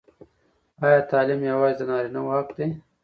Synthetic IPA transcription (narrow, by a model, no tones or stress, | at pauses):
ɑːjɑːt̪ɑːlɪmjɐwɑːzid̪ənɑːɾinawohakd̪e